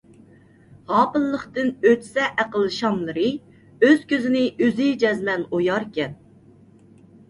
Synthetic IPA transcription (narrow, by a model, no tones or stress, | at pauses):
ʁɑːpɨnllˠəχt̪ɨnøt̪ʰsɛʔæqəlˠːɨʃɑmlˠɨɾɨ | øz̥kʲøzɪnɪʔøzid͡ʒɛzlɛnojɑɾkʲɛn